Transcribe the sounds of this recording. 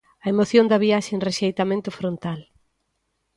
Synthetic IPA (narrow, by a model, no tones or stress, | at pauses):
ɐemoθjõnd̪ɐβiaʃeŋreʃejt̪amẽnt̪ʊfɾont̪al